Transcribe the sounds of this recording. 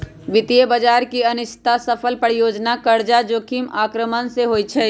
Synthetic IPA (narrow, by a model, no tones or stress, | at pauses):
ʋɪt̪ijəbəd͡ʒaːɾkiɐnʊʃt̪ʰasəpʰəlpəɽjoːd͡ʒnakəɾd͡ʒad͡ʒoːkiːmaːkɾəmənseɦoːit͡ʃʰɛː